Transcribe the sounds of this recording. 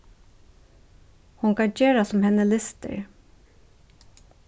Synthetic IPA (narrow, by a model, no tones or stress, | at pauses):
hʊŋkɑd͡ʒeːɹasɔmhɛnːəlɪst̪ə̰ɹ